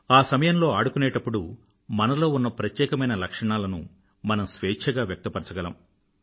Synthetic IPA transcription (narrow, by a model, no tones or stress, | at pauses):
aːsɐmɐjɐmlo̞ːaːɽukuneːʈɐpːuɽu | mɐnɐlo̞ːunːɐpɾɐt̪jɛːkɐmɐjnɐlɐkʂɐɳaːlɐnṵ | mɐnɐmsʋeːt͡ʃʰɐɡaːʋjɐk̚t̪ɐpɐɾt͡ʃɐɡɐlɐ̰m